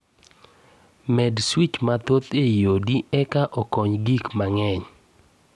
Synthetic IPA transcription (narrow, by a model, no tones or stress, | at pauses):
mɛdswit͡ʃmat̪ot̪ejodiɛkaʔɔkɔɲɡikmaŋɛɲ